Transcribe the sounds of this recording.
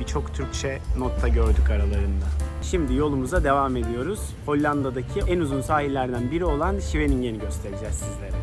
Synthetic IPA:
bit͡ʃʰo̞kt̪ʰyɾct͡ʃʰɛnot̪ʰːaɟø̞ɾd̪ykaɾalˠaɾɯnd̪aʃimd̪ijo̞lˠumuzad̪e̞vame̞d̪ijo̞ɾuz̥ | ho̞lʲːand̪ad̪acʰiɛnuzunsaːɦilʲæɾd̪ænbiɾio̞lˠanʃive̞ninɟe̞niɟø̞st̪ʰe̞ɾid͡ʒɛzːizlʲe̞ɾɛ

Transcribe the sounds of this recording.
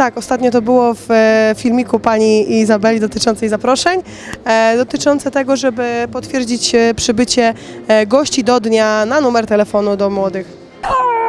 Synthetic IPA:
t̪akɔst̪at̪ɲɔt̪̬ɔbɘwɔffʲilmʲikupaɲiizabɛlʲid̪ɔt̪ɘt͡ʂɔnt̪sɛjzapɾɔʂɛɲ | d̪ɔt̪ɘt͡ʂɔnt̪sɛt̪ɛɡɔʐɛbɘpɔt̪fʲjɛɾd͡ʑit͡ɕpʂɘbɘt͡ɕɛ | ɡɔɕt͡ɕid̪ɔd̪ɲananumɛɾt̪ɛlɛfɔnud̪ɔmwɔd̪ɘx

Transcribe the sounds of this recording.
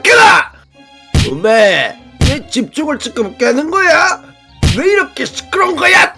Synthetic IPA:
keɡa | ome | net͡ɕip̚t͡ɕ͈oŋɯɭt͡ɕ͈ɯk͈ɯbk͈eanɯnɡʌja | weiɾʌkʰesɯ̥k͈ɯɾʌŋɡʌja

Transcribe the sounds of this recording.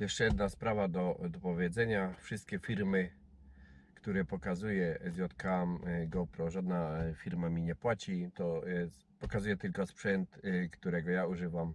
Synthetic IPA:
jɛʂt͡ʂɛjɛd̪naspɾavad̪ɔd̪ɔpɔvʲjɛd̪zɛɲafʂɨst̪kʲɛfʲiɾmɘ | kt̪uɾɛpɔkazujɛzvʲjɔt̪kamɡɔwpɾɔʐad̪nafʲiɾmamʲiɲɛpwat͡ɕit̪ɔɛ | pɔkazujɛt̪ɘlkɔspʂɛnt̪kt̪uɾɛɡɔjauʐɘvam

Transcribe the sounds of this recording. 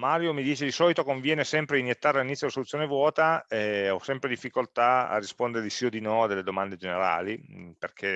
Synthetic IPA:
maːɾjomid̪iːt͡ʃed̪isɔːlit̪okoɱvjɛːnesɛmpɾeinjet̪ːaɾealinit̪ːjod̪lasolut̪sjoːnevwɔːt̪aɛɔsːɛmpɾed̪ifːikolt̪aa̰rːispond̪eɾelisiod̪inɔad̪ːeled̪omand̪ed͡ʒeneɾa̰ːliperkʰe

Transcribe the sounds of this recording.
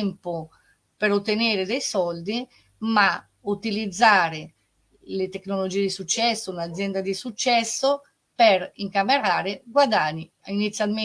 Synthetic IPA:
mpo | peɾot̪ːeneːɾed̪ejsɔld̪i | ma | ut̪ilid̪zːaːɾe | let̪eknolod͡ʒiːed̪isut͡ʃːɛsːounad̪zjɛnd̪ad̪isut͡ʃːɛsːo | peɾiŋkameɾaːɾeɡwad̪aɲːi | init̪sːjalme

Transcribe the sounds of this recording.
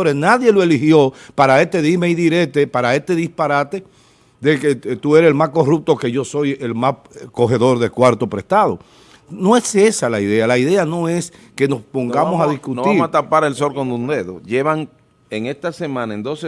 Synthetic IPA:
ɾenaðje̞loe̞lihjo̞paɾaet̪e̞ðimeiðiɾet̪epaɾae̞st̪e̞ðispaɾat̪e̞ | ðeket̪ue̞ɾeselmasko̞rup̚t̪o̞ke̞ʝo̞so̞je̞lmas | ko̞ɦe̞ðo̞ɾðe̞kwaɾt̪o̞pɾe̞st̪að̞o̞̰ | no̞e̞se̞salaiðe̞alaiðe̞ano̞e̞ske̞no̞spo̞ŋɡamosaðiskutniɾt̪apaɾelso̞lkond̪und̪eðoʝeβaŋ | eŋest̪asemãnaend̪ose

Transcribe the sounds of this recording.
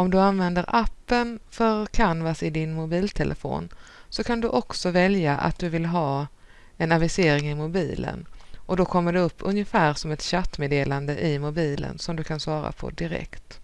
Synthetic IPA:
ɔmd̪ɵanvɛnd̪əɾʔapːənfœɾkʰanvasɪd̪ɪnmʊbiːlt̪ʰɛlʔəfo̰ːnsɔkʰand̪ɵʔɔksɔvɛljaʔa̰t̪̚d̪ɵvɪlɦɑː | ɛnavɪseːɾɪŋɪmʊbiːlʔə̰nʔɔd̪ɔkʰɔmːəɖɛɵpːɵnjəfæːɾsɔmɛt̪ɕat̪ːmeːd̪eːland̪əʔɪmʊbiːlə̰nsɔmd̪ɵkʰansvɑːɾa̰pʰɔ̰d̪ɪɾɛ̰kt̪

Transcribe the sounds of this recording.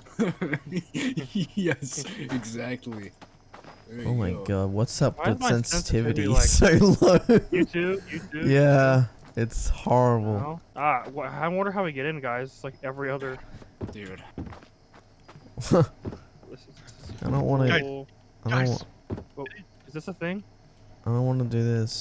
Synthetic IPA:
jɛsɨɡzæk̚tʰˡli | o̰ʊmaɪɡɑd̚wʌtsʌp̚ɨsɛ̃nsɨtʰɪvɨɾiaɪsaɪlʌɨdʉjɨʉjæ | ɪtshɔɹəbl̩ˠʌwʌaɪdɾõnwʌ̃ndə˞ɦaʊɾɨɡɛɾɨ̃nɡaɪzslaɪkɛvɹiʌðə˞d̥ʉd̥ | ɪsaɪdɾõʊ̃nʔwɑnɨ | aɪdõn | ɨzðɪsəθɪ̃ŋ | aɪdõʊ̃nʔwɑnədɨðɪs

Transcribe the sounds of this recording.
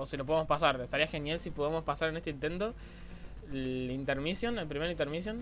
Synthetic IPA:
osilo̞p̬oemospasaɾest̪aɾiaxe̞njalsipuðamo̞spasaɾene̞st̪eint̪e̞nt̪o̞ | int̪eɾmisjonelpɾimeɾint̪eɾmis̬jon

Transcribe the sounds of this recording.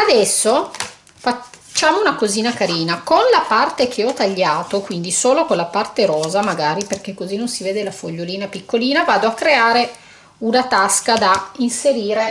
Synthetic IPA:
ad̪ɛsːo | fat͡ʃːaːmounakoziːnakaɾiːnakonlapart̪ek̟ʰeɔt̪aʎːaːt̪okwind̪isoːlokonlapart̪eɾɔːzamaɡaːɾiperk̟ekːozinːonsiveːd̪elafoʎːoliːnapikːoliːnavaːd̪oakːɾeaːɾe | unat̪askad̪ainseɾiːɾe

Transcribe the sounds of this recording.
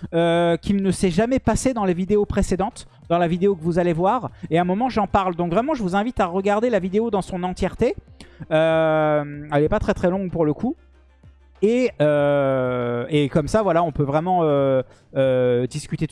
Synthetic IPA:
økʲilnəsɛʒamɛpased̪ɑ̃levid̪eopχesed̪ɑ̃t̪ | d̪ɑ̃lavid̪eokəvuzalevwaʁeɛ̃mɔmɑ̃ʒɑ̃paʁld̪ɔ̃kvʁɛmɑ̃ʒəvuzɛ̃vit̪aʁəɡaʁd̪elavid̪eod̪ɑ̃sɔ̃nɑ̃t̪jɛʁt̪eømɛlɛpat̪χɛt̪χɛlɔ̃ŋɡpuʁləku | eø | ekɔmsavwalaɔ̃pøvʁɛmɑ̃øː | d̪iskʲyt̪et̪

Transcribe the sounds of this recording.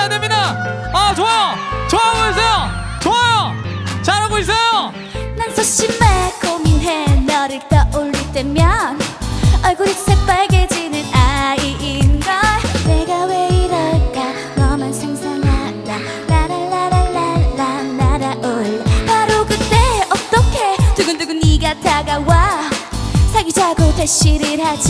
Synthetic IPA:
ademida | at͡ɕoajot͡ɕoaɦaɡois̬͈ʰejo | t͡ɕoajot͡ɕaɾɦaɡois̬͈ejo | nansʰʌɕ͈imːekominɦenʌɾɯkt͈ʌʔoɭːit͈emjʌnʌɭɡuɾisʰep͈aɭɡed͡ʑinɯnaiʔinɡʌneɡaweiɾʌk͈a | ɾʌmansʰaŋsʰaŋɦanda | naɾaɭːaɾaɭːaːanaɾaʔoɭhaɾokɯt͈e̞ʌt͈ʌkʰe̞tuɡɯndɯɡɯniɡatʰaɡawa | sʰaɡid͡ʑaɡoteɕ͈iɾɯhad͡ʑi

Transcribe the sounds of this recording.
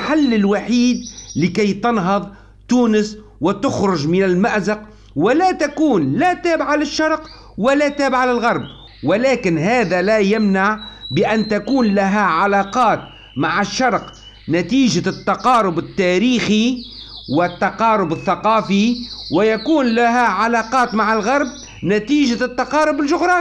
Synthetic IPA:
ħalːɪlwaħiːd̪̚lɪkajt̪ɑnɦɑðˤ | t̪uːnɪs | wɪt̪ʊxɾʊʒmɪnalmaʔzaq | wɪlat̪akuːnlat̪aːbaʕalaʃːɑɾˤq | wɪlat̪aːbɪʕalalɣɑɾˤb̚ | wɪlaːkɪnɦaːðalajamnaʕbɪʔænt̪akuːnlaɦæʕalɑːqɑːt̪ | maʕɪʃːɑɾˤq | nat̪iːʒat̪ːɑqɑːɾʊbɪt̪ːæːɾiːxiwɪt̪ːɑqɑːɾʊbɪθːɑqɑːfiwɪjakuːnlaɦæʕalɑːqɑːt̪maʕɪlɣɑɾˤb̚ | nat̪iːʒat̪ːɑqɑːɾʊbɪlʒʊɣɾˤɑːn

